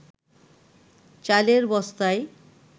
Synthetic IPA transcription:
t͡ɕaleɾbɔst̪ae

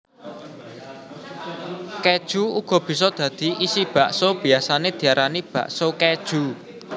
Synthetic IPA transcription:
ked̥ʒ̥uuɡ̥ɔ̤b̥i̤sɔd̪̥ä̤d̪̥i̤ʔisib̥a̤ʔsob̥i̤asaned̪̥i̤aɾʔanib̥ä̰ʔsoked̥ʒ̥ṳ

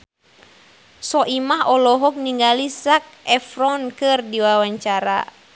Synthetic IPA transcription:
sɔʔimaɦɔlɔɦɔk̚niŋɡalisak̚ɛfrɔnkɨrdiwawaɲt͡ʃaɾa̰

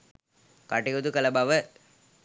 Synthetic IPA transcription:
kaʈiɡod̪ukɐlɐbaʋə

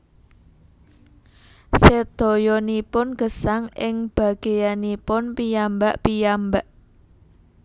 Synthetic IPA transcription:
sed̪̥o̤jɔnipʊnɡ̥əsaŋɪŋb̥a̤ɡ̥e̤janipʊnpijambaʔpijambaʔ

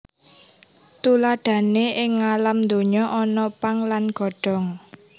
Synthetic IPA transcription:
t̪ulaɖ̪̥ä̤neʔɪŋːalamnd̪oɲɔʔɔnɔpaŋlanɡ̥ɔ̤ɖ̥ɔ̤ŋ

